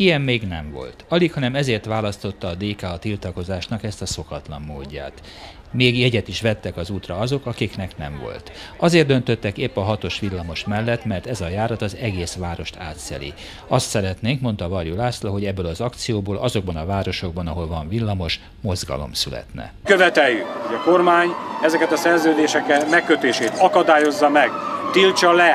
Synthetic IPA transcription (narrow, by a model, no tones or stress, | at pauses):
ijɛmːeːɡnɛɱvo̞̰lt̪ɒlikhɒnɛmɛzeːrt̪ʋaːlɒst̪o̞t̪ːɒːd̪eːkaɒt̪ilt̪ɒko̞zaːʃnɒkɛst̪ɒso̞kɒt̪lɒmːoːɟːa̰ːt̪ | meːɡjɛɟɛt̪iʃʋɛt̪ːɛkɒzuːt̪rɒɒzo̞kɒkiknɛknɛɱvo̞̰lt̪ɒzeːrd̪ønt̪ø̞t̪ːɛkeːpːɒɦɒt̪o̞ʃʋilːɒmo̞ʃmɛlːɛt̪mɛrt̪ɛzɒjaːɾɒt̪ɒzɛɡeːsʋaːɾo̞ʃt̪ʰaːt̪sɛ̰lḭ | ɒst̪sɛɾɛt̪neːŋkmo̞nt̪ɒvɒrjulaːslɒɦo̞ɟɛbːøːlɒzɒkt̪sijoːboːlʔɒzo̞ɡ̚bɒnɒvaːɾo̞ʃo̞ɡ̚bɒnɒɦo̞lvɒɱvilːɒmo̞ʃ | mo̞zɡɒ̰lo̞̰msylɛ̰t̪nɛ̰køvɛt̪ɛjjːyhoɟɒko̞rmaːɲɛzɛkɛt̪ɒsɛrzøːd̪eːʃɛkɛmɛkːøt̪eːʃeːt̪ɒkɒd̪aːjo̞zːɒmɛɡt̪ilt͡ʃɒlɛ